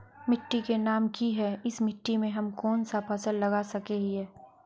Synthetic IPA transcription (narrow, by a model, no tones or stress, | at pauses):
mɪʈːikenaːmkiɦɛɪsmɪʈːimẽɦɐmkɔːnsapʰɐsəlːɐɡasɐkeɦɛː